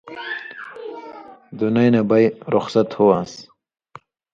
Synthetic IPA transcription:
d̪unajnabajɾʊxsat̪howas

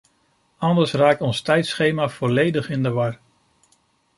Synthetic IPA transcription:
ɑndəɹsraːk̚tɔnstɛjtsχejmaːv̥ɔlejdəχɪndəʋɑɹ

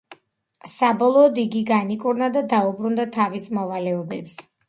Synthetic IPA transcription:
sabɔlˠɔːd̪iɡiɡanikʼuɾnad̪ad̪aubɾund̪at̪ʰavismɔvalɛɔbɛps

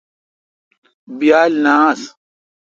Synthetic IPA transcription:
bijaːlnaːs

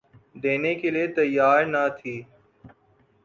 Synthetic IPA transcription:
d̪eːneːkeːlieːt̪əjːaːɾnat̪ʰiː

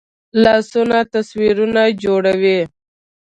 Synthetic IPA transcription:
lɑːsunat̪aswiɾunad͡ʒoɽawe

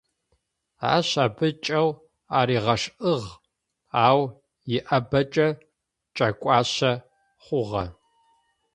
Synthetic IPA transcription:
a̰ːɕaːbɨt͡ʃʼɐw | aːɾiːʁɐʂʔɨʁ | aːw | jɪʔɐbɐt͡ʃʼɐ | t͡ʃʼɐkʷʼɑːɕɐ | χʷʊʁɐ̰

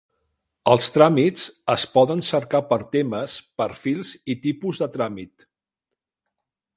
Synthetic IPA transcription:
əlˠst̪ɾamit͡səspɔðənsəɾkapəɾt̪eməspəɾfilˠzit̪ipuzðət̪ɾamit̪

